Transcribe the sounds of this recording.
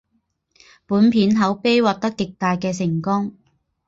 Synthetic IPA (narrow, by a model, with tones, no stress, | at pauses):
puː˨˥npʰiː˨˥nɦɐ˨˥wpe˥jwaː˨t̚t̪ɐ˥kːɪ˨k̚t̪aː˨jkɛː˧sɪ˨˩ŋkʊ˥ŋ